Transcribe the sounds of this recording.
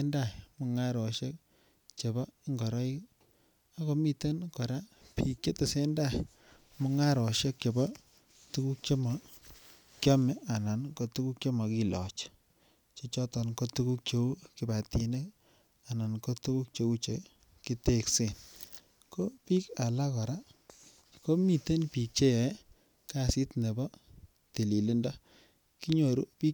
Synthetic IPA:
nda˦˨mɔ˨ŋa˦ɾɔ˨ʃe˦k̚ | t͡ʃe˨bɔ˦ŋɡɔ˨ɾɔ˦i˦k | a˦ko˦mi˦te˦nkɔ˨ɾa˦pi˨kt͡ʃe˦te˨se˦nda˦˨ | mʊ˦ŋa˦ɾɔ˨ʃe˦k̚t͡ʃe˨bɔ˦ | tu˦ku˦k̚t͡ʃe˦mɔ˨ | kja˦mɛ˦ʔa˨na˨nko˨tu˦ku˦k̚t͡ʃe˦mɔ˨ki˦lɔ̰˨t͡ʃ | t͡ʃe˦t͡ʃɔ˦tɔ˨nko˦tu˦ku˦k̚t͡ʃo˦u˦ki˨ba˨ti˨ne˦k | a˨na˨nko˦tu˦ku˦k̚t͡ʃe˦u˦t͡ʃe˨ | ki˦te˦kse˦˨n | ko˦pi˦ka˨la˦kɔ˨ɾa˦ | ko˦mi˨te˦npi˨k̚t͡ʃe˦jɛ˨˦ | ka˦si˦tne˨bɔ˦ | te˨li˨li˦ndɔ˦ | ki˦ɲo˨ɾu˦pi˦

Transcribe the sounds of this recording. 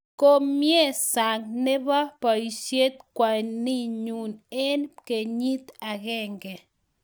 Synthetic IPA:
ko˦mje˦sa˨ŋne˦βa˦pa˧i˧ʃje˦t̪̚kʷa˨ni˦ɲu˨ne˦nke˧˨ɲi˦t̪a˧ɣe˦˧ŋɡe˨

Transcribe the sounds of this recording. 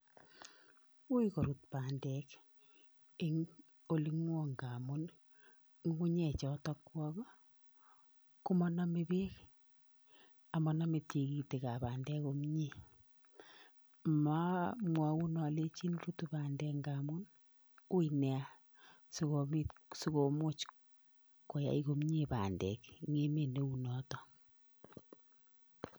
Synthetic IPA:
u˦iko˨ɾu˨t̚pa˨ndɛ˨k | e˦ŋ | o˦li˦ŋwo˦ŋɡa˨mu˦n | ŋ˦ku˦ɲɛ˨t͡ʃɔ˨tɔ˦kwɔ˦ɣɔ˦ | ku˦mɔ˦na˦me˦be˦k | a˨mɔ˨na˦me˨te˨ki˨te˨ka˨paː˨ndɛ˦ko˦mɲi˦˨ | ma˦mwa˨u˦nɔ˨le˦t͡ʃi˦nɾu˦tu˦baː˨ndɛ˨ŋɡa˨mu˦n | u˦inɛ˨a˦ | so˨ko˨mi˦tsu˦ko˨mo˦t͡ʃ | ko˨ja̰˨iko˦m˦ɲe˦˨pa̰˨ndɛ̰˨kŋe˦me˨ne˦u˨nɔ˨tɔ˨

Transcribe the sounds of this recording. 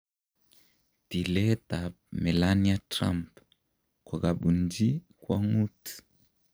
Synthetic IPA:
ti˨lɛ˦ta | mɛ˨lania˦tɾa̰˦mp | kɔ˨ɡa˨ɓu˨nd͡ʒi˦ | kwa˦ŋu˦t

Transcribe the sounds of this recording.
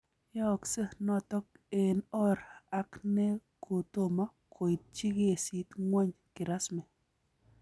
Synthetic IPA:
jɔ˦˨ksə˦nɔ˦tɔ˦ke˨nɔ˦ɾa˦kne˦kʰo˨t̪o˦˨ma˦kʰo˨i˨t̚t͡ʃi˦ɡe˨si˦t̪ŋwɔ˦ɲ | kɪ˨ɾa˦smɛ˨

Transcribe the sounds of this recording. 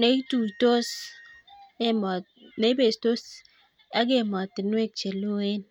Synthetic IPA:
ne˨˦tu˨i˨to˦s | e˦mɔ˨ | ne˨˦be˨sto˦s | a˦ɡe˦˨mɔ˨ti˨n˦e˦k̚t͡ʃe˨lo˦e˦n

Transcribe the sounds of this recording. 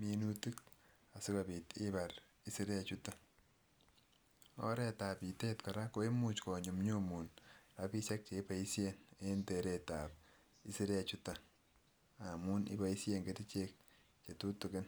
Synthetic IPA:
minuti˦k̚ | asʊ˦kabi˨ti˦baɾ | i˦si˦ɾe˦at͡ʃuta | ɔ̰˦ɾeta˨pi˨te˦tka˨ɾako˦i˦mu˨t͡ʃkɔ˨ɲʊ˨mɲomu˨nɾa˦pi˦sa˦k̚t͡ʃe˨i˦pa˨i˦sjene˦nte˨ɾe˨tap̚ | i˦si˦ɾe˦a˨t͡ʃuta | a˨mu˦nḭ˦bai˦sjeŋɡeti˦t͡ʃek̚ | t͡ʃe˨tu˦tu˨kɪ˦n

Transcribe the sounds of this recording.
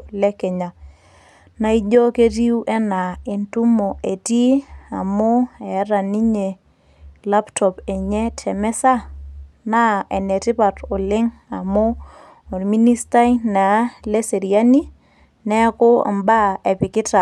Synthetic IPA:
lɛ˦kɛ˨ɲa˨ | na˦i˦d͡ʒɔ˦ke˦ti˦u˦ʔɛ˦na˨e˨ntu˦mo˨ʔe˨ti˦a˨mo˦ɛ˨˦ɾa˨ni˦ɲe˨ | la˦ptʰɔ˨pe˨ɲɛ˦tʰɛ˨mɛ˦sa˦na˦ɛ˨nɛ˨tɪ˦pa˨tʊ˨lɪ˦ŋa˨mo˦ | o˨ɾmi˦ni˦sta˦na˨˦le˦se˨ɾia˦ni˦ | nɛ˦ko˦a̰˨mba˦ɛ˨pɪ˨kɪ˦ta˨

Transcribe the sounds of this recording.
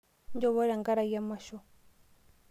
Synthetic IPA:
ɲ˦d͡ʒɔ˦˨βɔ˦ɾa˨ŋɡa˦ɾa˨ja˦ma˦˨ʃɔ˦

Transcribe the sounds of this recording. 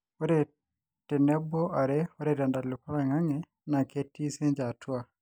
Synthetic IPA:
ɔ˦ɾɛ˨ | tɪ˨nɛ˦bɔ˦ʔa˨ɾɛɔ˦ɾɛ˨ɾa˨nda˨lʊ˨pa˦ɾɛ˨ŋa˦ŋɛ˨ | na˨ke˦ti˦se˦ɲd͡ʒa˨twa˦

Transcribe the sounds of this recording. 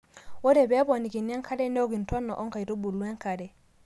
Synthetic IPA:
wo˦dɛ˨bɛ˦bɔ˨ni˨ki˨nɛ˦ŋkʰa˦dɛ˦no˦ɡi˨n˨tɔ˦nːa˨ʔɔ˦ŋka˨jto˦bu˨lu˦ɛ˦ŋka˨dɛ˨

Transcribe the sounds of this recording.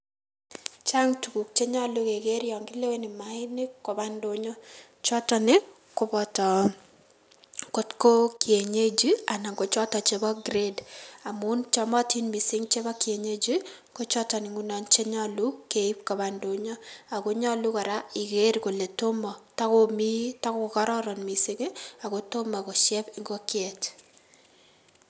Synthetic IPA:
t͡ʃa˦ŋtu˨ku˨k̚t͡ʃe˦ɲɔ˦lu˦ke˨ɡe˦ɾjɔ˨ŋɡɪ˦le˦we˦nɪ˨ma˨˦ɪ˦nɪ˦kɔ˨ba˦ndo˦ɲɔ˦ | t͡ʃɔ˦tɔ˨nɪ˦ | kʊ˨˦bɔ˦tɔ˨ | ko˦tko˦kje˨ɲe˦d͡ʒi˦a˨na˨ŋɡo˨t͡ʃɔ˦tɔ˨t͡ʃe˨bɔ˦ɡɾe˦da˨mu˦nt͡ʃɔ˦mɔ˦ti˦nmi˨sɪ˦ŋt͡ʃe˦ba˦kje˨ɲe˦d͡ʒi˦ | ko˦t͡ʃɔ˦tɔ˨nɪ˨ŋu˦nɔ˨nt͡ʃe˦ɲɔ˦lu˦ke˨i˦p̚ka˨ba˨ndo˨ɲɔ˦a˨ko˦ɲɔ˦lu˦kɔ˨ɾa˦ɪ˨ɡe˦ɾko˨le˨to˦mɔ˨ta˦komi˦ta˦ko˨kɔ˦ɾɔ˦ɾɔ˨nmi˨sɪ˦ŋe˦a˨ɡo˨to˦ma˨ko˨ʃjɛ˦pɪ˨ŋɡo˦kjɛ˨t

